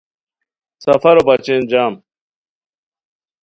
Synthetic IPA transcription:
sɐfɐɾobɐt͡ɕend͡ʑaːm

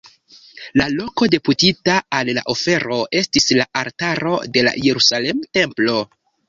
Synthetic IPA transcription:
lalo̞ko̞de̞putitaalla̰ʔofe̞ɾo̞ʔe̞stislaʔaɾtaɾo̞̰de̞la̰je̞ɾusalemte̞mplo̞

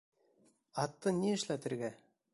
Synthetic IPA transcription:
ɑt̪ːɤnʲeɘ̆ʃlæt̪ɘ̆ɾɡæ

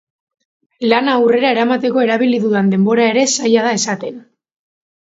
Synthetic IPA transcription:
lanaːwre̞ɾae̞ɾamat̪e̞ko̞e̞ɾaβ̞iliðuðand̪e̞mbo̞ɾae̞ɾe̞sajað̞ae̞sat̪e̞n

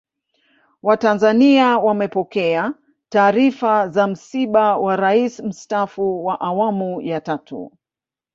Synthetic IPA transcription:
watanzaniawamɛpɔkɛa | taːɾifazam̩siɓawaɾaism̩stafuwaʔawamujatatʰṵ

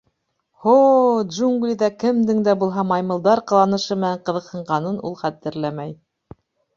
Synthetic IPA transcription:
hod̪ʒuŋɡlʲiðɑkɘ̆md̪ɘŋd̪æbulˠɦɑmɑjmɤ̆lˠd̪ɑɾqɤ̆lˠɑnɤ̆ʃɤmɘ̆næɴqɤ̆ðɤ̆qhɤ̆ɴɢɑnɤnʔṵlˠχæt̪ːɘ̆ɾlæmæj

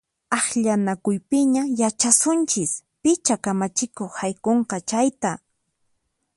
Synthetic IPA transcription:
ɑχʎanakʊjpɪɲajat͡ʃasʊnt͡ʃɪspɪt͡ʃakamat͡ʃɪkoχhajkoɴqɑt͡ʃajt̪a

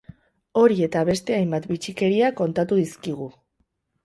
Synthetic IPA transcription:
o̞ɾie̞t̪aβ̞e̞st̪e̞ajmbat̪bit͡ʃike̞ɾiakːo̞nt̪at̪uðiskiɣ̞u

